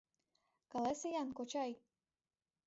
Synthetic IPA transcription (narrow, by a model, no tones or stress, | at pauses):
kɑlesejɑnkot͡ɕɑj